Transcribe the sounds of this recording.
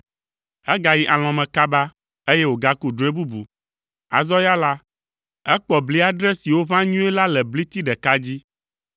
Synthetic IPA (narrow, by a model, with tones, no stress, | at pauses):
ɛ˦ɡa˨ji˦ʔa˨l̃ɔ̃˨mɛ̃˨ka˦ba˦ | e˦je˦wo˨ɡa˦ku˦ɖo˨˦e˦bu˦bu˨ | a̰˨zɔ˦ja˦la˦ | ɛ˦k͡pɔ˨bli˦a˦ɖɾɛ˦si˨wo˦βã˦ɲũ˦ɛ˦la˦lɛ˨bli˦t̪i˦ɖɛ˨ka˦d͡ʑi˦